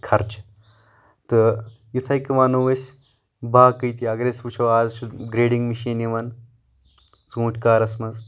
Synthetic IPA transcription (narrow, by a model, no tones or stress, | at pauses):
kʰɐɾt͡ʃ | t̪ɨ | jit̪ʰɐjkimaːnoːʋɐsʲ | baːkɨjt̪iɐɡɾesʋut͡ʃʰoːaːzt͡ʃʰuɡɾeːɖiŋɡmiʃiːniʋɐn | t͡sũːʈʰʲkaːɾɐsmɐz